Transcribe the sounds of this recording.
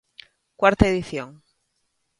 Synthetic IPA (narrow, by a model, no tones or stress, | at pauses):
kwaɾt̪aeðiθjoŋ